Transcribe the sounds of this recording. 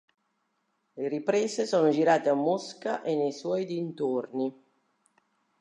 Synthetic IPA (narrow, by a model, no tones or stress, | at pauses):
leɾipɾɛːsesoːnod͡ʒiɾaːt̪eamːoskaʔenːejswɔːjd̪int̪orni